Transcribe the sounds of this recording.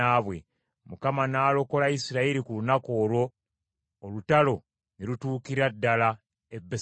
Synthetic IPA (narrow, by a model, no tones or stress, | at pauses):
aβwe̞ | mukamanaːlo̞ko̞laisiɾaiɾikulunako̞ːlwo̞ː | lutalo̞ | niɾutuːkiɾadːala | ebːe